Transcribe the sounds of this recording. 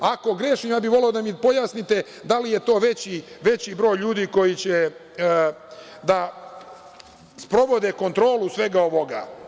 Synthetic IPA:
ako̞ɡɾeʃimjaːbiʋo̞leod̪amipo̞jaːsnit̪e̞ | d̪alije̞t̪o̞ːʋe̞t͡ɕiʋe̞t͡ɕibɾo̞ːjʎuːd̪iːko̞jit͡ɕe | d̪a | spɾo̞ʋo̞d̪e̞ko̞nt̪ɾo̞ːlusʋe̞ɡaoʋoɡa̰

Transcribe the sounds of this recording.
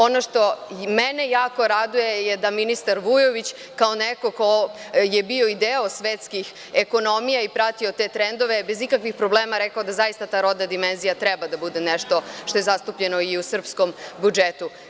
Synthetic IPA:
o̞noʃt̪o̞menejaːko̞ɾad̪ujejed̪aminist̪aɾʋujoʋit͡ɕ | kaoneko̞kojebio̞id̪eo̞sʋeːt̪skix | eko̞no̞mijaipɾat̪iot̪et̪ɾend̪o̞ʋebe̞zikakʋixpɾoblˠeːmaɾekaod̪azajist̪at̪aɾo̞d̪nad̪imenzijat̪ɾɛbad̪abud̪e̞nɛʃt̪o̞ʃt̪o̞je̞zast̪upʎe̞no̞iusr̩psko̞mbud͡ʒet̪u

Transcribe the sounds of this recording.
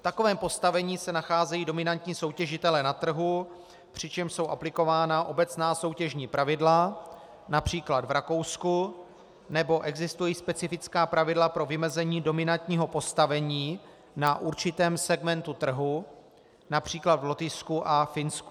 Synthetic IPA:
ft̪ako̞vɛːmpo̞st̪avɛɲiːsɛnaxaːzɛjiːdo̞mɪnant̪ɲiːso̞wcɛʒɪt̪ɛlɛnat̪r̩ɦu | pr̝̥ɪt͡ʃɛmʃso̞wʔaplɪko̞vaːnaʔo̞bɛt͡snaːso̞wcɛʒɲiːpɾʔavɪdla | napr̝̥iːklad̪vɾako̞wsku | nɛbo̞ʔɛɡzɪst̪ujiːspɛt͡sɪfɪt͡skaːpɾavɪdlapɾo̞vɪmɛzɛɲiːdo̞mɪnant̪ɲiːɦo̞po̞st̪avɛɲiː | naʔuɾt͡ʃɪt̪ɛːmsɛɡmɛnt̪ut̪r̩ɦu | napr̝̥iːklad̪vlɛt̪ɪskuʔafɪnsku

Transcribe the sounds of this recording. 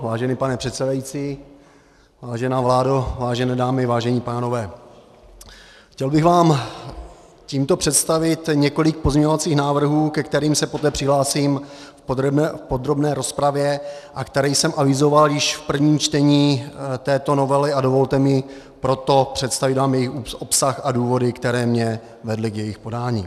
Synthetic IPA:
vaːʒɛnipanɛpr̥ɛt̪sɛdajit͡siː | vaːʒɛnaːvlaːdovaːʒɛnɛːdaːmɪvaːʒɛɲipaːno̞vɛː | xcɛlbɪɣvaːm | ciːmt̪o̞pr̝̥ɛt̪st̪avɪt̪ɲɛko̞lɪk̚po̞zɲɛɲovat͡siːxnaːvr̩ɦuːkɛkt̪ɛɾiːmsɛpo̞t̪ɛːpr̥ɪɦlaːsim | fpod̪ɾo̞bnɛːɾo̞spɾavjɛʔakt̪ɛɾɛjsɛmʔavɪzo̞valjɪʃfpr̩vɲiːmt͡ʃt̪ɛɲiːt̪ɛːt̪o̞no̞vɛlɪadovo̞lt̪ɛmɪ | pɾo̞t̪o̞pr̥ɛt̪st̪avɪt̪vaːmjɛjɪxuʔo̞psaxaduːvo̞dɪkt̪ɛɾɛːmɲɛ | vɛdlɪkjɛjɪxpo̞daːɲiː

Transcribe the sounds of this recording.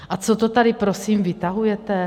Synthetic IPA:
ʔat͡sot̪ot̪adɪpɾosiːmvɪt̪aɦujɛt̪ɛ

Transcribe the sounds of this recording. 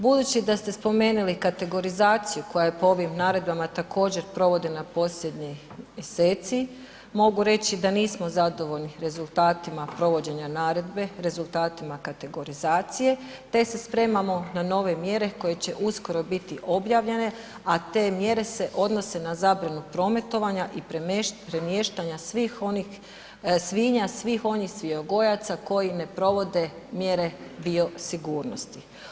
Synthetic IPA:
bud̪uːt͡ɕid̪ast̪e̞spo̞me̞ːnulikat̪e̞ɡo̞ɾizaːt̪sijuko̞jajepoo̞ʋimnaːɾe̞d̪bamat̪akʰo̞ːd͡ʑe̞ɾpɾo̞ʋo̞d̪e̞napo̞sʎʲe̞d̪ɲi | jese̞ːt̪si | mo̞ɡuɾe̞t͡ɕid̪aniːsmo̞zad̪o̞ʋo̞ʎniɾe̞zulˠt̪aːt̪imapɾo̞ʋo̞d͡ʑe̞ɲanaːɾe̞d̪be̞ɾe̞zulˠt̪aːt̪imakat̪e̞ɡo̞ɾizaːt̪sije̞ | t̪e̞se̞spɾe̞ːmamo̞nano̞ːʋe̞mje̞ɾe̞ko̞je̞t͡ɕe̞ʔusko̞ɾo̞bit̪iʔo̞bjaːʋʎe̞ne̞ | at̪e̞ːmje̞ɾe̞se̞ʔo̞d̪no̞se̞nazaːbɾanupɾo̞ːme̞t̪o̞ʋaɲaʔippɾe̞mje̞ːʃt̪aɲasʋixoni | sʋiːɲasʋiːxo̞nixsʋioɡo̞jat̪sako̞jine̞pɾo̞ʋo̞d̪e̞ | mje̞ɾe̞d̪io̞siɡuːɾno̞st̪i

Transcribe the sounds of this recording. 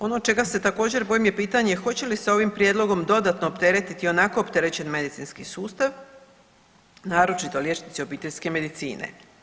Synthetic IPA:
o̞no̞t͡ʃe̞ɡase̞t̪ako̞ːd͡ʑe̞ɾbo̞ːjimje̞piːt̪aɲexo̞t͡ɕe̞liseo̞ʋimpɾjed̪lˠo̞ɡo̞md̪o̞d̪at̪noːpt̪e̞ɾe̞t̪it̪io̞nako̞ːpt̪e̞ɾe̞t͡ɕe̞nme̞d̪it̪sinskisuːst̪aʋ | naːɾo̞t͡ʃit̪o̞ljet͡ʃnit̪sio̞biːt̪eʎʲske̞me̞d̪it̪sḭːnḛ

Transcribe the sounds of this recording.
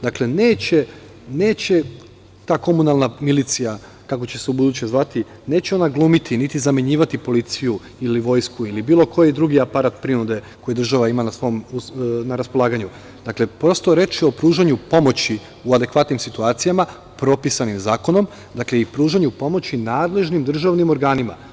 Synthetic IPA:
d̪akle̞neːt͡ɕe̞ | ne̞ːt͡ɕe̞ | t̪aːko̞munalˠnamilit̪sija | kako̞t͡ɕe̞seubud̪ut͡ɕe̞zʋat̪i | ne̞ːt͡ɕe̞o̞naɡlˠumit̪ʰinit̪izameɲiːʋat̪ipo̞lit̪siju | iliʋo̞jskuilibiːlˠo̞kʰo̞jed̪ɾuɡiapaɾat̪pɾinud̪e̞ko̞jid̪ɾr̩ʒaʋaimanasʋo̞jomunaɾaspo̞lˠaːɡaɲu | d̪akle̞pɾo̞st̪o̞ɾe̞t͡ʃio̞pɾuːʒaɲupo̞mo̞t͡ɕi | uad̪e̞kʋat̪nimsit̪uaːt̪sijama | pɾo̞pisanimzaːko̞no̞m | d̪akle̞ipɾuːʒaɲupo̞mo̞t͡ɕinaːd̪le̞ʒnimd̪r̩ʒaʋnimo̞ɾɡaːnima̰

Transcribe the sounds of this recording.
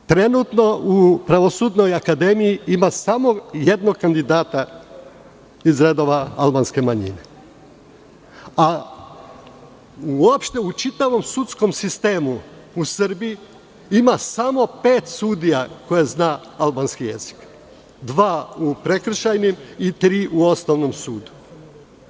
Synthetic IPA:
t̪ɾe̞nuːt̪no̞upɾaʋo̞suːd̪no̞jakad̪e̞mijiimasamo̞je̞d̪no̞kand̪id̪aːt̪a | izɾe̞d̪o̞ːʋaalˠbanske̞maɲḭne̞ | a | uuopʃt̪e̞ut͡ʃit̪aʋo̞msut̪sko̞msist̪e̞ːmu | usɨɾbii | imasamo̞pe̞ːt̪suːd̪ijako̞jeznaːalbaːnskije̞̰z̥i̥k | d̪ʋaːupɾe̞kr̩ʃajnimit̪ɾiːʔuo̞snoʋno̞msuːd̪u̥

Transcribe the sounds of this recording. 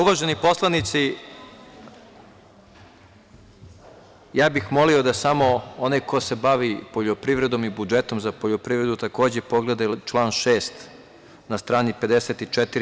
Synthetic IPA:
uʋaʒenipo̞slˠanit̪si | jaːbixmo̞lio̞d̪asamo̞onajko̞se̞baʋipoʎopɾiʋɾe̞d̪o̞mibud͡ʒet̪o̞mzapoʎopɾiʋɾe̞d̪ut̪ako̞ːd͡ʑepo̞ɡled̪at͡ʃlˠaːnʃeːst̪ | nast̪ɾaːnipe̞d̪eset̪it͡ʃet̪iɾ

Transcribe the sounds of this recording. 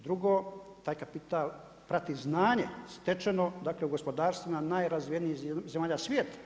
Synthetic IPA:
d̪ɾuɡoːt̪aːjkapit̪aːl | pɾat̪iznaːɲest̪et͡ʃenod̪aːkleuɡo̞spo̞d̪aːɾst̪ʋunanaːjɾazʋijeniizemaːʎasʋʲjeːt̪ḁ

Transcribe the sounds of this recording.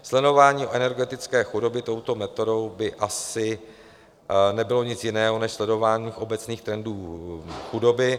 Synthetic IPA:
slɛno̞vaːɲiːoʔɛnɛɾɡɛt̪ɪt͡skɛːxudo̞bɪt̪o̞wt̪o̞mɛt̪o̞do̞wbɪʔasɪ | nɛbɪlo̞ɲɪt͡sjɪnɛːɦo̞nɛʃslɛdo̞vaːɲiːxʔo̞bɛt͡sniːxt̪ɾɛnduːxudo̞bɪ

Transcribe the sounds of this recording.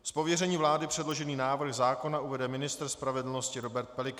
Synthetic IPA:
spo̞vjɛrɛɲiːvlaːdɪpr̥ɛdlo̞ʒɛniːnaːvr̩xzaːko̞naʔuvɛdɛmɪnɪst̪r̩spɾavɛdl̩no̞scɪɾo̞bɛɾt̪̚pɛlɪk

